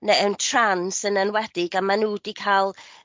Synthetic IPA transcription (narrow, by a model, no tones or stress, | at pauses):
neɛwntʰransənənwɛdɪɡamanuːdikʰalˠ